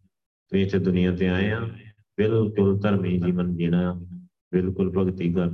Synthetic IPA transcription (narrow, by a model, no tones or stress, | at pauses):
t̪ʊĩːt͡ʃəd̪ʊnɪjãːt̪̬eːaːjãː | bɪlkʊlt̪əɾmĩːd͡ʒiːʋənd͡ʒeːnãː | bɪlkʊlpəɡt̪iːd̪aː